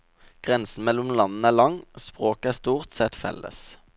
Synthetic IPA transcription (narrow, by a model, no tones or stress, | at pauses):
ɡ̥ʁɛnsn̩mɛlʊmlɑnn̩æːlɑŋspʁoːkəæːst̪uːʁt̪sɛt̪fɛ̰lə̰s